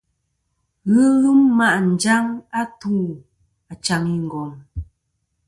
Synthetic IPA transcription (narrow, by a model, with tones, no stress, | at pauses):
ɣɯ˦ɣɨ˦mːa˦ʔn̩˨d͡ʒa˦ŋa˦tuː˦˨ | a˨t͡ʃa˨mi˦˨ŋ̩˨ɡɔ˨ŋ